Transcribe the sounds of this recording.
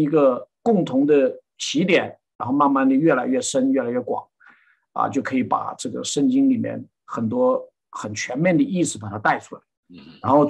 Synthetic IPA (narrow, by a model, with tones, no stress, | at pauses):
i˧˥ɡə˧kʊ˥˩ŋt̪ʰʊ˧˥ŋd̪ə˧ | ɕi˧˥t̪jɛ˨˩˦nɻa̰˧˥nxo˥˧ʊma˥˧nma˥˩nd̪ə˨˩ɥɛ˥˩la˧˥ɪɥɛ˥˩ʂə˥nɥɛ˥˩la˧˥ɪɥɛ˥˩kwɑ̰˨˩˦ŋ | ɐ̰˧t͡ɕjo˥˩ʊkʰɤ˧˥i˧˥pa̰˨˩ʈ͡ʂɤ˥˩ɡə̰˩ʂə˥˧ŋt͡ɕi˥ŋli˨˩mjɛ̰˥˧˩n | xə˨˩nt̪̬wɔ˥ | xə˨˩nt͡ɕʰɥɛ˧˥nmjɛ˥˩nd̪ə˩i˥˩sɹ̩˩pa˨˩t̪ʰa˥t̪a˥˩ɪʈ͡ʂʰu˧˥la˧˩ɪɻa˧˥nxo˥˧ʊ